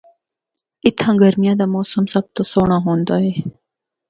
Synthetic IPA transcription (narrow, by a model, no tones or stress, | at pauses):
ɪt̪ʰãːɡəɾmijad̪amoːsɐmsɐb̚t̪osoːɳaɦõːnd̪ae